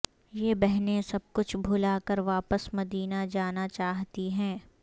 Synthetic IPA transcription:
jeːbɛɦnẽsɐb̚kʊt͡ʃʰbʱʊlaːkəɾʋaːpəsmɐd̪iːnad͡ʒaːnat͡ʃaːɦt̪iɦɛ̃ː

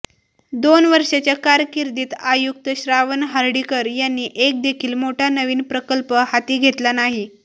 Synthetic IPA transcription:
d̪onʋəɾʂat͡ɕjakaɾkiɾd̪iːt̪ajuk̚t̪əɕɾaʋənɦaɾɖikəɾjanːiːʔek̚d̪ekʰiːlmoʈʰanəʋiːnpɾəkəlpəhat̪iːɡʱet̪lanaɦi

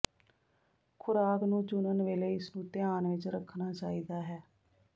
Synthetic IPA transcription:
kʰʊɾaːknũːt͡ʃʊnənʋeːleːɪsnũːt̪ɪjaːnʋɪt͡ʃɾəkʰːnaːt͡ʃaːiːd̪aːɦɛː

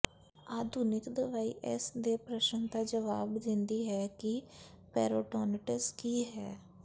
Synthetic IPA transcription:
aːd̪ʱunɪkd̪əʋaːiːʔɛ̰sd̪eːpɾəʃənd̪aːd͡ʒəʋaːbd̪ɪ̃nd̪iːɦɛːkɪ | pɛ̰ːɾoːʈɔːnʈəskiːɦɛː

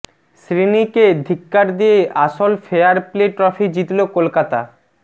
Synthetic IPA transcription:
sɾiniked̪ʱikːaɾd̪ijeʔaʃolfeaɾpleʈɾɔfid͡ʑit̪lokolkat̪a̰

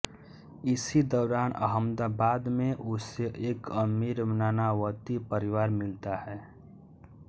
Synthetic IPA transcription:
ɪsid̪ɔːɾaːnʔə̰ɦəmd̪abaːd̪mẽʔʊseʔeːkəmiɾmnaːnawət̪ipəɾɪwaːɾmɪlt̪ahɛː

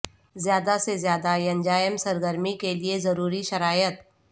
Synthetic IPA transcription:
zjaːd̪asezjaːd̪ajɐ̃ɲd͡ʒaːjəmsɐɾɡəɾmikeliezɐɾuːɾiʃɐɾaːjət̪

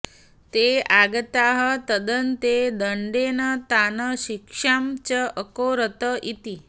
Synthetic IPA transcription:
t̪eaɡət̪aɦət̪əd̪ənt̪ed̪əɳɖenət̪anəɕikʂamt͡ɕəʔəkoɾət̪əʔit̪i

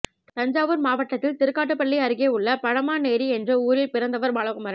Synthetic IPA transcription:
t̪ɐɲd͡ʒaːʋɯɾmaːʋɐʈːɐt̪ːɪlt̪ɪɾɯkːaːʈ̬ːɯpːɐɭːiɐɾɯɣeːʊɭːɐpɐɻɐmaːneːɾiɛndrɯuːɾɪlpɪɾɐnd̪ɐʋɐɾmaːɭɐkɯmɐɾɐ

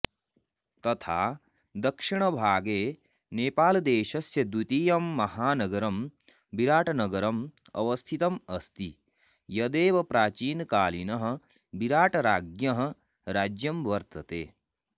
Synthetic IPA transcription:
t̪ɐt̪ʰa̰ː | d̪ɐkʂiɳ̃ɐbʱaːɡeː | neːpaːld̪eːʃɐsjɐd̪ut̪iːjɐmːɐɦhaːnɐɡɐɾɐm | biɾaːʈʰɐnɐɡɐɾɐm | ɐ̰ʋɐst̪ʰit̪ɐmɐst̪i | jɐd̪eːʋɐpɾaːt͡ʃiːnkaːlinɐɦɐ̆ | biɾaːʈɐɾaːɡjɐɦɐ̆ | ɾaːd͡ʒjɐmʋɐɾt̪ɐt̪eː

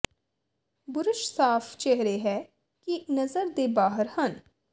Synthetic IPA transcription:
bʊɾʊʃsaːft͡ʃɛɦɾeɦɛː | kinɐzəɾd̪eːbaːɦəɾhɐn

